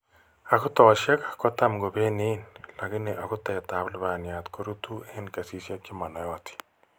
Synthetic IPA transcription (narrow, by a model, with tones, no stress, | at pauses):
a˨kʊ˦tɔ˨ʃɛ˦ka˨kɔ˦ta˦mɡo˨be˦nɪ˦nla˨kɪ˦nɪ˨ʔa˨kʊ˦tɛ˨ta˨blβa˨nja˨t̪ko˦ɾu˦tu˦ɛ˦nka˨si˦sja˦kɪ˦ma˨nɔ˨jɔ˦t̪i̥˨